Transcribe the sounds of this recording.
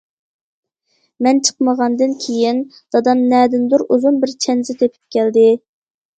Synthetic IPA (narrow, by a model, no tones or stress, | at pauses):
mɛnt͡ʃʰə̥qməʁɑnd̪ɨnkʲʰejind̪̥ɑd̪ɑmnɛd̪ɪnd̪uɾuzunbɪɾt͡ʃʰɛnzɪt̪ʰøpʰy̥p̚kʲʰɛld̪ɪ